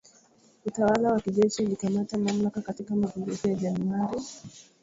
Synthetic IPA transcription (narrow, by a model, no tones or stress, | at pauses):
utawalawakiʄɛʃiulikamatamamlakakatikamaɡumbukujaʄanuaɾi